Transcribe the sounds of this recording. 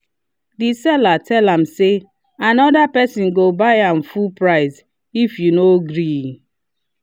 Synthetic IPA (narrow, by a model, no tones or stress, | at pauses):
disɛlatʰɛlãmse | anɔdapɛsĩnɡobaɪãmfulpɹaɪs | ifjunoɡɾi